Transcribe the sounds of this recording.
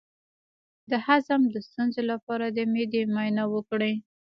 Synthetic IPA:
d̪əhazamd̪əst̪unzolapɑɾad̪əmed̪emajnawəkɽəj

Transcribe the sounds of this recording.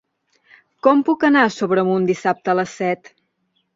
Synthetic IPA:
kɔmpukənasoβɾəmund̪isap̚t̪ələsːɛt̪

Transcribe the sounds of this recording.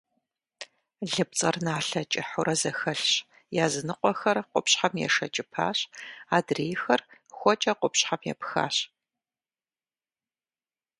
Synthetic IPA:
ɮɨp̚t͡sʼɐrnaːɬɐt͡ʃʼɪħʊɾɐzɐxɐɬɕ | jaːzɨnɨqʷʼɔxɐrqʷʊpɕħamjɛ̰ʂɐt͡ʃʼɪpʰa̰ːɕaːdreːjxɐrxʷɔt͡ʃʼɐqʷʊpɕħamjɛ̰pxa̰ːɕ

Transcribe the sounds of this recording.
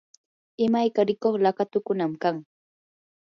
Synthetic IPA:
ɪmajkaɾɪkoχlakat̪ʊkʊnamkaŋ

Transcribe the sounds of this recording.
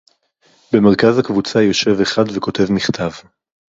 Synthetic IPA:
be̞meʁ̞kazakvut͡sajo̞ʃe̞veχad̪veko̞te̞vmiχt̪ʰav

